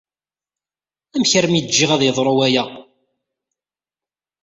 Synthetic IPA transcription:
æmçəɾmid͡ʒːiʁæðjəðˤɾˤʊwæjæ

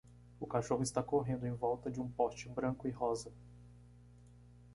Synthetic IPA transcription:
ʊkaʃoɦʊɪst̪akoɦẽnd̪ʊẽj̃vɔwt̪ɐd͡ʒɪũpɔst͡ʃɪbɾɐ̃ŋkʊɪɦɔzɐ

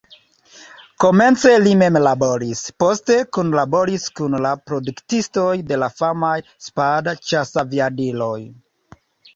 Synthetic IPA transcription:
ko̞me̞nt͡se̞lime̞mlabo̞ɾispo̞ste̞kunlabo̞ɾiskunlapɾo̞duktisto̞jde̞lafamaj | spadat͡ʃasaviadilo̞j

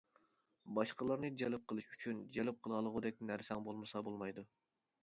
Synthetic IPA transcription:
bɑʃqəlˠɑɾnɨd͡ʒɛlɪp̚qʰəlˠɨʃyt͡ʃʰynd͡ʒɛlɪp̚qʰəlˠɑlˠəʁʊd̪ɛk̚ʲnæɾsɛŋbolˠmɨsɑbolˠmɑjd̪u

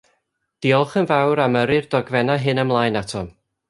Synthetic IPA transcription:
d̥iɔlˠχənvawɾaməɾɨrd̥ɔɡvɛnaɦɨnəmlˠajnatʰɔm

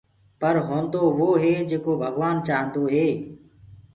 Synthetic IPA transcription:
pəɾɦõːnd̪oːʋoːɦeːd͡ʒeːkoːbʱəɡʋaːnt͡ʃaːɦə̃nd̪oːɦeː

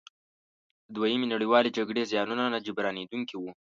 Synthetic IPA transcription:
əd̪wajəmenaɽiwɑled͡ʒaɡɽezjɑnunanad͡ʒɪbɾɑned̪uŋkiwu

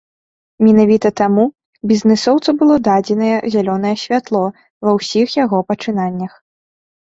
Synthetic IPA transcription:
mʲɛnavʲit̪ɐt̪amu | bʲiznɛsɔwt̪sɐbɨlˠɔd̪ad͡zʲɛnɐjɛzʲalʲɔnɐjɛsʲvʲat̪lˠɔ | vɐwsʲixjaɣɔpɐt͡ʂɨnanʲːɐx

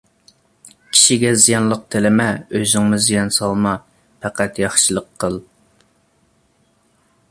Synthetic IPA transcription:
kʲʰi̥ʃiɡʲɛzijɑnlˠəq̚t̪ʰɪlɪmɛøzɪŋmʊzijɑnsɑlˠmɑ | pʰɛqʰæt̪jɑχʃɨlˠəqʰːəlˠ

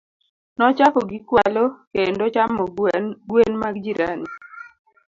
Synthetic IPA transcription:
nɔt͡ʃakɔɡikwalɔkendot͡ʃamɔɡwenmaɡd͡ʒiɾa̰ni

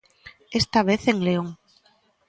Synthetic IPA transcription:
est̪aβ̞eθeŋleoŋ

